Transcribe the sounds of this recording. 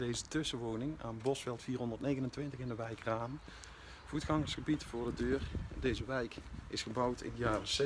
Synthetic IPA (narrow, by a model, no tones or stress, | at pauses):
dejzətʏsəʋoːnɪŋa̰ːnbɔsfɛlˠtfiːrɦɔndərtnejɣənəntʋɪntəχɪndəʋɛjkraːm | v̥utxɑŋəɹsχəbitfʊːɹdədøːrdejzəʋɛjkɪsχəbɑwtʰɪ̰ndəjaːrəs